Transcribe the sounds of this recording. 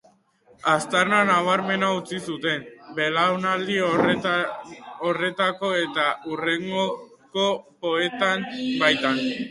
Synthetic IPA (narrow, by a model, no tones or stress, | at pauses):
ast̪arnanaβaɾme̞naut͡sisut̪e̞mbe̞lawnald̪io | ore̞t̪ako̞e̞t̪aʔure̞ŋɡo | ko̞po̞e̞t̪ambajt̪an